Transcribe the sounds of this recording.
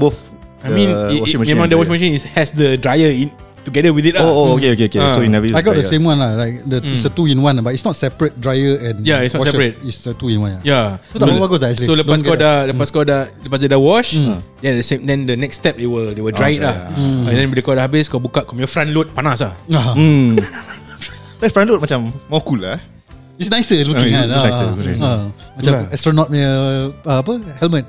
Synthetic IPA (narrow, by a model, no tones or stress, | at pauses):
bof | ajmĩnɔ̃ĩmãŋdəwɔt͡ʃmãʃĩnihɛsdədɹajəĩn | tuɡɛdəwiθit̚aoookeokeokesoinɛvəajɡɔt̚dəsẽmwãnlalaɪk̚dəisətuĩnwãnbatitsnɔtsɛpɹət̚dɹajəɛ̃njaisnɔwɔsɛɹət̚isətuĩnwãnajaowaɡosaɛslisolədpasɡɔdaləpaskɔdaləpasdedawɔʃdɛdəsemdɛ̃ndənɛkstɛp̚dewədewədɹajit̚lãndɛ̃nwidekɔdəhabiskɔbukaʔkɔmiəfɾãnlot̚panasa | dafɾãnlot̚mat͡ʃamːɔkula | isnajsəuãisnajsəknas | mat͡ʃaɛstɾənɔt̚mɛəəapəhɛlmə̃t̚